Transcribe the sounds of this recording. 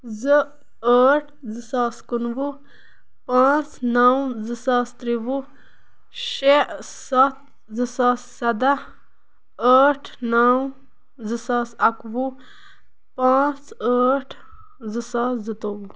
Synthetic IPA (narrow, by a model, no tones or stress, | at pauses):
zɨ | əːʈʰzɨsaːskunʋu | pãːt͡snawzɨsaːst̪ɾiʋu | ʃesɐt̪̚ | zɨsaːsːɐd̪a | əːʈʰnaw | zɨsaːsɐkʋu | pãːt͡səːʈʰ | zɨsaːszɨt̪oːʋu